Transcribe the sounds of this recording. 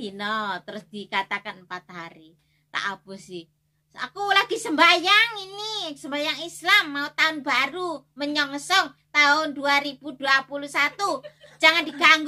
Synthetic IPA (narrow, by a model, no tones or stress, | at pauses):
inɔt̪əɾʊsd̪̥ikat̪akanəmpat̪̚ɦaɾi | t̪a̰ʔapʊsɪ | a̰kulaɡ̥i̤səmbajaŋinisəmbajaŋislamːaut̪aʊnbaɾu | məɲɔŋəsɔŋ | t̪aɦʊnduaɾib̥uduapulusat̪ud͡ʒaŋandiɡaŋɡ